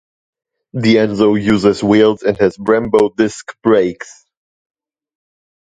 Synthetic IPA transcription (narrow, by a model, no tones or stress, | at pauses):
ðiɛ̃nzoʊjʉzɨzwilˠzɨ̃nhɪzbɹæ̃mboʊdɪskb̥ɹeɪks